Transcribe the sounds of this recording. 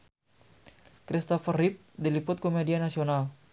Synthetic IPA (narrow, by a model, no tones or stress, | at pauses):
kɾist̪ɔfərip̚dilipʊt̪̚komedianasional